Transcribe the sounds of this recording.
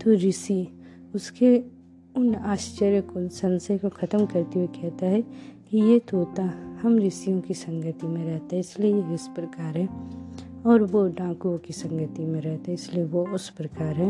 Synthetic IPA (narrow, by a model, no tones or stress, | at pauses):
t̪oɾɪsi | ʊske | ʊnaːst͡ʃəɾjəkosɐ̃nsekokʰɐt̪əmkɐɾt̪ewekɛɦt̪aɦɛkijet̪ʰoːt̪ahɐmɾɪsijõkisɐ̃ŋɡət̪imẽɾɛɦt̪aɦɛɪsliejeɪspɾɐkaːɾɦɛː | ɔːɾʋoɖãːkuõkisɐ̃ŋɡət̪imẽɾɛɦt̪aɦɛɪslieʋoʊspɾɐkaːɾɦɛ